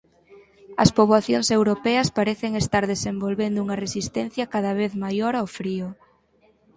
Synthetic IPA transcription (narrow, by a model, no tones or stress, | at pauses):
ɐspoβwaθjoŋsewɾopɛɐspaɾɛθeŋest̪aɾðesembolβend̪ʊuŋɐresist̪ɛnθjɐkaðɐβ̞eθmajoɾawfɾiʊ